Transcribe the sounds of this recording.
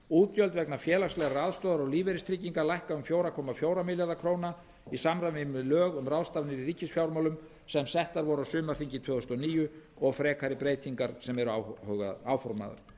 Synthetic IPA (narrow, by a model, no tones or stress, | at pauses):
uːt̪jœlt̪vɛknafjɛːlast̪lɛɣaɾraːðst̪owðaɾɔɣliːvɛɾɪst̪ɾiːciŋkalajhkaʏmfjoːwɾakʰɔːmafjoːwɾamɪljaðakʰɾoːwna | isamravɪmɪlœːɣʏmrawðst̪avnɪɾiɾiːcɪsfjawɾmawlʏm | sɛmsɛht̪aɾvɔɾawsʏːmaɾ̥θiɲcɪt̪ʰvœːðʏst̪ɔniːjʏ | ɔɣfɾɛːkaɾɪpɾeːjt̪iŋkaɾ̥sɛmɛɾʏahœɣa̰aːwfɔɾma̰ða̰ɾ̥